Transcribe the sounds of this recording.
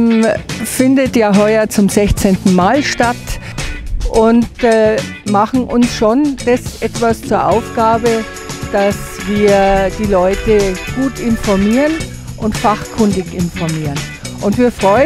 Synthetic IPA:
mfɪndətjaːɦɔʏɐt͡sʊmzɛçt͡sentn̩maːlʃtat | ʔʊntː | maχn̩ʔʊnsʃond̥asʔɛtv̥ast͡suːɐʔaʊfɡ̥aːbə | d̥asv̥iːɐd̥iːlɔʏtəɡ̥uːtɪnfɔɐmiːʁən | ʔʊntfaχkʰʏndɪçɪnfɔɐmiːʁən | ʔʊntviːɐfʁ̥ɔʏə

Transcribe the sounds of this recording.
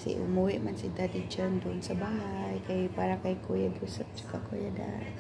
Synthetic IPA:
sḭʔṵmuwiʔmansid̪adid͡ʒənt̪unsəbaɦajkaipaɾakaikojaɡusəp̚t͡ʃu̥kakojada̰

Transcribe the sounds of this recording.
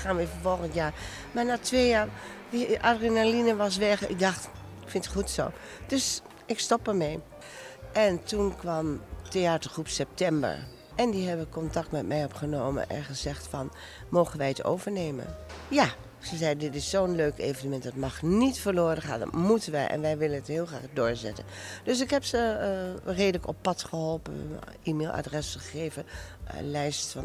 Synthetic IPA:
xaːnʋifəfolˠxəntjaː | manatʰʋeːjaːr | ʋiʔadrinalinəʋɔs̬ʋɛxɪ̰k̚dɑxt | kfɪntχutso̰ | d̥øs | ɪkstɔpərmɛj | ʔɛntunkʰʋamteaːtərχrupsɛp̚tʰɛmbə̰ɹ | ʔɛndiɦɛbəkɔntak̚tmɛtmɛjɔpχənoːmə̰ʔɛ̰nxəzɛxtfɔn | mowχənʋɛjəto̰wvəɹneːmə̰ja | z̥əzɛjdɪtɪsːowənløɥkḛːvənəmɛntdɑtmɑχnitfəloːrəχa̰ːndɑ̰tmutənʋɛjʔɛ̰nʋɛjʋɪlənətɦɪːlˠxra̰ːχdʊːɹzɛ̰tə̰nd̥øs̬ɪkɦɛpsə | reːdələkɔpːɑtχəɦɔlˠpə̰ʔiːmelˠʔa̰drɛsəχeːvəə̰lɛjstfɑn

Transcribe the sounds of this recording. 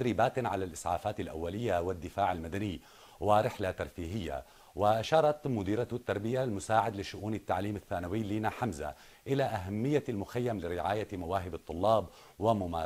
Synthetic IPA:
ɾiːbaːt̪ʕalalʔɪsˤʕa̰ːfaːt̪alʔa̰wːalɪjːawɪd̪ːɪfaːʕalmad̪aniː | wɪɾɪħlat̪ɑɾˤfiːɦɪjːa̰ | wɪʔaʃɑːɾˤɑt̪mʊd̪iːɾat̪t̪ːɑɾˤbɪjalmʊsaːʕɪd̪lɪʃʊʔuːnɪt̪ːaʕliːmaθːaːnawɪːliːnaħamza̰ | ʔɪlaʔaɦamːɪjːalmʊxajːamlɪɾɪʕaːjamawaːɦɪbɨt̪ˤːʊlːɑːb | wɪmʊmaː

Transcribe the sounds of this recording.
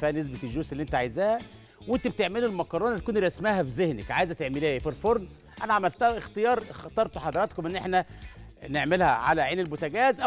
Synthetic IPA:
fæːnes̬bet̪ʒuːselːiʔent̪æʕajezæːhæ | went̪æb̚t̪eʕmelulmɑkɑɾˤɑːnt̪kuːnɾæsmæhæfizehnekʕaːjzæt̪eʕmeleːæfilfoɾˤn | ʔænæʕamælt̪æhæʔext̪ejɑːɾˤxɑt̪ˤɑɾˤt̪uħɑd̪ˤɑɾˤɑt̪komʔenːʔeħnæneʕmelhæ̰ʕa̰læʕeːnelbot̪æɡæːzʔæ

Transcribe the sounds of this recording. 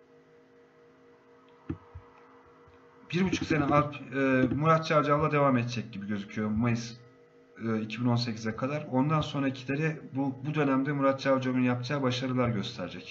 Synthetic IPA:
b̥iɾbut͡ʃʰu̥kse̞nɛapːmuɾat̪̚t͡ʃʰavd͡ʒavlˠad̪e̞vaːmɛt̪t͡ʃʰɛc̚ɟibiɟø̞zycʰyjo̞majɯzː | icʰibino̞ns̬e̞cʰizɛkʰad̪aɾo̞nd̪anso̞nɾaicʰilʲe̞ɾɛbbud̪ø̞næmd̪ɛmuɾat̪̚t͡ʃavd͡ʒavɯnjapt͡ʃʰaːbaʃaɾɯlˠaɾɟø̞st̪ʰæɾd͡ʒɛc

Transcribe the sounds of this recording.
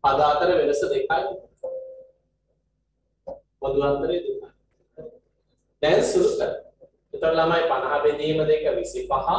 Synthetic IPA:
pad̪aːt̪əɾəʋeʋəsəd̪ekaːjin | bod̪uʋant̪əɾejd̪eka | nɛnsuɾuk̪əɾə | it̪oɾlamajpanɐɦabed̪iːməd̪ekːəʋisipaɦa

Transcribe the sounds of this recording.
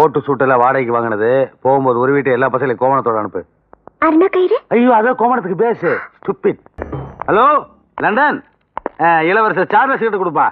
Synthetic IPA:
poːʈːɯsuːʈːɪlãːʋaːɽɐɪkːɯʋaːŋɡɐɳɐðɯpoːɣɯmpoːðɯɔɾɯʋiːʈːɯɛlːaːpɐsɐɐlɪkːoːʋɐɳɐt̪ːoːɽɐɐɳɯpːɯ | ɐɾnɐkɐjɾɯɐjːaːɐðeːkoːʋɐɳɐt̪ːɯkːɯpeːsɯsʈʊpːɪɖhɐloː | lɐɳɖɐn | ɪlɐʋɐɾs̬ɐt͡ʃaːɾnɐsɪkːɐʈːɯkːʊɽɯpːãː

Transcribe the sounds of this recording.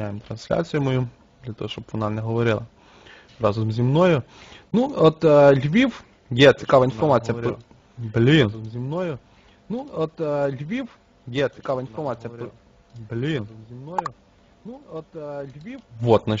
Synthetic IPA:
ajɪmt̪ɾɐnsʲlʲa̰t͡sʲijʊmɔju | d̪lʲɐt̪ɔ̰ɦɔʃt͡ʃɔbʋɔnɑnɛɦɔʋɔɾɪlˠɐ | ɾɑzʊmzʲimnɔjʊ | nuɔt̪lʲʋʲiw | jɛt͡sʲi̥kɑʋɐinfɔrmɑt͡sʲijɐp | blʲimzʲimnɔjʊ | nuɔt̪lʲʋʲiw | jɛt͡sʲi̥kɑʋɐinfɔrmɑt͡sʲijɐp | blʲimzʲimnɔjʊ | nuɔt̪lʲʋʲiwʋɔt̪nɐ

